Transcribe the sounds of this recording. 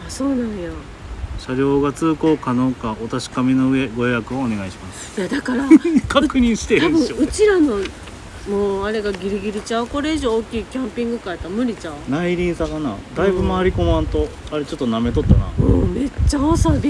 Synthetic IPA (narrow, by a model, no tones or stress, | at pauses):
aso̞ːnãɰ̃jo | ɕaɾʲjo̞ːɡat͡sɨːko̞ːkano̞ːkaot̪aɕi̥kamʲino̞eɡoojakɯoːne̞ɡaiɕimasɨ̥ɨ̥jad̪akaɾakaɯkɯ̟ɲ̟ĩɰ̃ɕi̥t̪eãbɯ̃oɯ̟t͡ɕiɾano̞ | moːaɾe̞ɡaɡʲiɾiɡʲiɾit͡ɕako̞ɾe̞iʑo̞ːkʲiːkʲãmpʲĩŋɡɯ̟kaet̪amɯ̟ɾʲit͡ɕãnaiɾʲĩɰ̃saɡanaːd̪aibɯ̟maːɾʲiko̞mãnt̪o̞aɾe̞t͡ɕo̞t̪ːoname̞t̪o̞t̪ːana̰oːme̞t͡ɕːaosaɡʲi